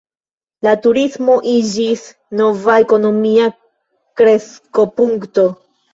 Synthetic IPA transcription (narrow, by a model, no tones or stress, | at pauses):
latuɾismo̞ʔid͡ʒis | no̞vae̞ko̞no̞mia | kɾe̞sko̞puŋkto̞